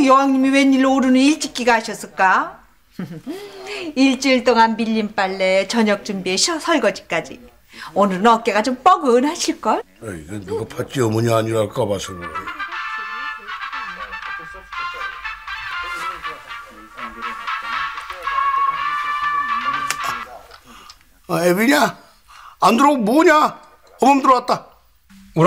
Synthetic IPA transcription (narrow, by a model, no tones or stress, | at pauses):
jʌɦaŋɲimiwe̞ɲːiɭːooɾɯnɯniɭt͡ɕ͈ik͈iɡaɦaɕʰʌs͈ɯɭk͈a | iɭt͡ɕ͈iɭt͈oŋanmiʎːimp͈aɭːe̞t͡ɕʌɲʌk̚t͡ɕ͈ɯmbieɕʰsʰʌɭɡʌd͡ʑi̥k͈ad͡ʑḭ | onɯɾɯnʌk̚k͈e̞ɡat͡ɕomp͈ʌɡɯnɦaɕʰiɭk͈ʌ | aiɡenɯɡapʰat͡ɕ͈iʌmɯɲaːɲiɾak͈ʌbasʰoɡoba̰i | ebiɲaː | nduɾoɡmoɲa | ʌmʌmdɯɾat̚t͈a